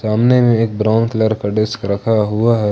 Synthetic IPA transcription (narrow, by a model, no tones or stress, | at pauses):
saːmnemẽeːk̚bɾaːʊnkləɾkaɖɪskɾɐkʰaɦuaɦɛː